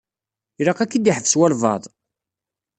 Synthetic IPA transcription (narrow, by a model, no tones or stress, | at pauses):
ɾɑqækːid̪iħəvswæɾvɑ̰ðˤ